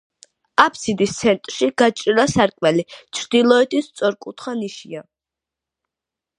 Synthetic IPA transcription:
apʰsid̪ist̪sʰɛnt̪ʼɾʃiɡat͡ʃʼɾiɾasaɾkʼmɛlit͡ʃʰɾd̪ilˠɔɛt̪ʰist̪sʼɔɾkʼut̪ʰχaniʃia

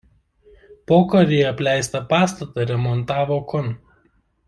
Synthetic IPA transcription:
poːkɐɾʲejɛɐpʲlʲæˑɪst̪ɐpɑːst̪ɐt̪ɐɾʲɛmɔnt̪ɑːʋokɔn

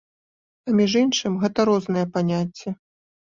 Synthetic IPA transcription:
ɐmʲiʐinʂɨmɣɛt̪ɐɾɔznɐjɛpanʲat͡sʲːɛ

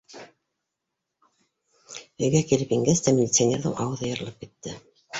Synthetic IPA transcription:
ɵ̆jɡækilɘpjiŋɡæst̪æmʲilʲit̪sanʲeɾðɤ̰wʔɑwɤðɤjɤ̆ɾɤ̆lˠɤp̚kit̪ːɘ

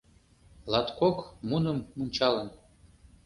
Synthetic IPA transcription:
lɑt̪kokmunə̆mːunʲt͡ɕɑlən

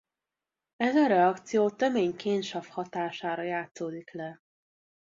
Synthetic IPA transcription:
ɛzɒɾɛɒkt̪sijoːt̪ømeːɲkeːnʃɒfhɒt̪aːʃaːɾɒjaːt̪soːd̪iklɛ

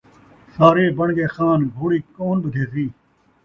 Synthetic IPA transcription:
saːɾeːbəɳɡeːxaːnɡʱoːɽiːkoːnbəd̪ʱeːziː

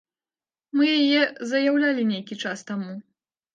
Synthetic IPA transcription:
mɨjajɛzɐjawlʲalʲinʲejkʲit͡ʂast̪amu

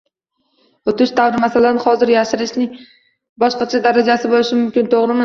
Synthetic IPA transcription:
ot̪ʰɪʃt̪ʰavɾɪmasalanɪχɒzɪɾjaʃɪɾɪʃnɪ | bɒʃqɑt͡ʃʰad̪aɾad͡ʒasɪbolɪʃɪmʊmkʲɪnt̪ʰoʁɾɪmɪ

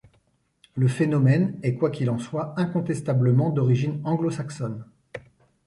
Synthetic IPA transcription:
ləfenɔmɛnɛkwakʲilɑ̃swaɛ̃kɔ̃t̪ɛst̪abləmɑ̃d̪ɔʁiʒinɑ̃ɡlosaksɔn

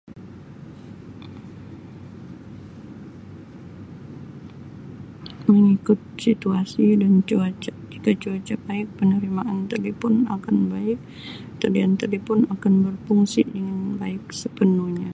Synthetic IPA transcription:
məŋikʊt̪̚sit̪uasidant͡ʃuat͡ʃaʔd͡ʒikat͡ʃuat͡ʃabaɪk̚pənəɾimaʔant̪əlipʊna̰kanbaɪk̚ | t̪ədiant̪əlipʊnakanbərpuŋsidəŋanbaɪk̚səpənuhɲa

